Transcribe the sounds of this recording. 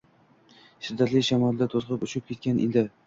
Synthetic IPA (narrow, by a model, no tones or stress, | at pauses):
ʃɪd̪ːat̪lɪʃamɒld̪at̪ʰozqɨpʊʃɪp̚kʲʰe̞t̪̚kʲanʔed̪ɪ